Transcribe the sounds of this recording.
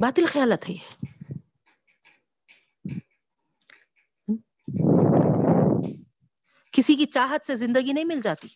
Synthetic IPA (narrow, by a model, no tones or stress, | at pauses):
baːt̪ɪlxɐjaːlət̪ɦɛjɛː | kɪsikit͡ʃaːɦət̪sezɪ̃nd̪əɡinɐɦĩmɪld͡ʒaːt̪i